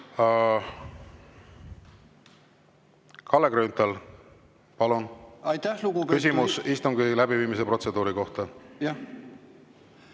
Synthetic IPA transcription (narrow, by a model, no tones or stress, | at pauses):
kʰɑlːekɾyːnt̪ɑl | pɑlunɑjt̪æhluɡukysimmusist̪umkelæbiviːmis̬e̞pro̞t̪se̞d̪uːɾiko̞ht̪ɑj